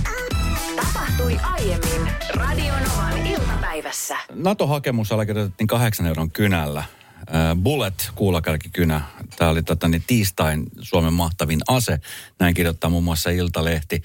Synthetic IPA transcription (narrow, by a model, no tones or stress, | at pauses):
t̪ɑpɑht̪uiʔɑjemːinrɑdionoʋɑnilt̪ɑpæiʋæsːænɑt̪oɦɑke̞muselːɑkirjot̪et̪ːiːŋkɑɦeksɑnewɾoŋkynælːæ | bulet̪kuːlɑkɑrkikynæt̪æːolit̪ot̪ːɑnːet̪iːst̪ɑinsuɑmemːɑht̪ɑʋinɑsenæiŋkirjot̪ːɑːmuːmːuɑsːɑilt̪ɑleht̪i